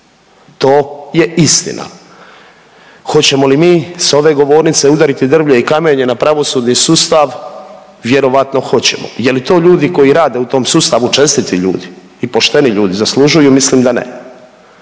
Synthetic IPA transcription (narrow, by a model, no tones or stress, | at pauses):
t̪o̞ːje̞ist̪ḭna̰ | xo̞t͡ɕe̞mo̞limiːso̞ʋe̞ɡo̞ʋo̞ːɾnit̪se̞ud̪aɾit̪id̪r̩ʋʎeikameɲenapɾaʋo̞suːd̪nisust̪aʋ | ʋje̞ɾo̞ʋat̪no̞xo̞t͡ɕe̞̰mo̰je̞lit̪o̞ːʎuːd̪iko̞jiɾaːd̪e̞ut̪o̞ːmsust̪aʋut͡ʃe̞st̪it̪iʎṵːd̪i | ipo̞ʃt̪e̞niʎuːd̪izaslˠuʒujumisliːmd̪anḛ